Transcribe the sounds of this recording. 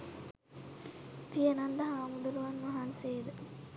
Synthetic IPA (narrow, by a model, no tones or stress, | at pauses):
t̪ijənand̪ɐɦaːmud̪uluʋanːɐɦanseːd̪ə